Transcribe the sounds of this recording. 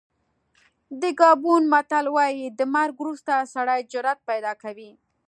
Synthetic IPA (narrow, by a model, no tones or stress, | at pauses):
d̪əɡɑbunmat̪alwɑjid̪əmaɾɡwɾust̪asaɽɑjd͡ʒʊɾat̪̚pajd̪ɑkawi